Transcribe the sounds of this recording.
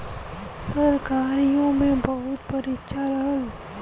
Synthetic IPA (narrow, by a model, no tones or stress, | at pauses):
səɾkaːɾijõmẽbɐɦʊt̪pəɾɪt͡ʃaɾɐɦəl